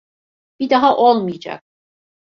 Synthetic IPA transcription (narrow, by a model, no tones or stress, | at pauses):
b̥id̪aɦaʔolˠmɯjad͡ʒa̰k̚